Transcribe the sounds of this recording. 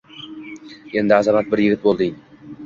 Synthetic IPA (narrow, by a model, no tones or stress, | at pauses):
e̞nd̪ɪazamat̪̚bɪɾjɪɡʲɪt̪bolˠd̪ɪŋ